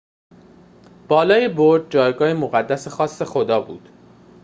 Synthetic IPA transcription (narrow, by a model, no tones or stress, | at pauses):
b̥ɒːlɒːjeboɾd̪̚d͡ʒɒːjɡɒːhemoɣæd̪ːæsexɒːsːe̞xod̪ɒːbuːd̪̥